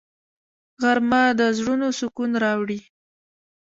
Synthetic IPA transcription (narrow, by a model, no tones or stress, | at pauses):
ɣaɾmad̪əzɽunosʊkunɾɑwɽi